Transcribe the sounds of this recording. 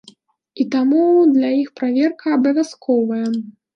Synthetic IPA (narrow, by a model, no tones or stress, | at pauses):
it̪amud̪lʲajixpɾavʲɛrkʰɐːbɐvʲaskʰɔvɐjɐ